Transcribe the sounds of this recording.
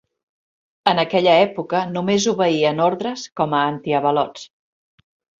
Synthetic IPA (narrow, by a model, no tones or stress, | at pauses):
ənəkɛʎəɛpukənumezuβəiənoɾðɾəskɔməːnt̪iəβəlɔt͡s